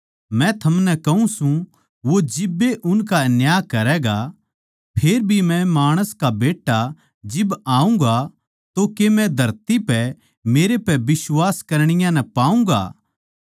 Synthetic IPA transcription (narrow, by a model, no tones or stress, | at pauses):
mɛ̃t̪ʰɐmnɛkɐũsũ | ʋod͡ʒɪbːeʔʊnkanjaːkɐɾɛɡa | pʰeːɾbʱimɛ̃maːɽ̃əskabeːʈːa | d͡ʒɪbaːũɡa | t̪okemɛ̃d̪ʱɐɾt̪ipɛ | meːɾepɛbɪswaːskɐɾɽ̃ɪjãnɛpaːũŋɡa̰ː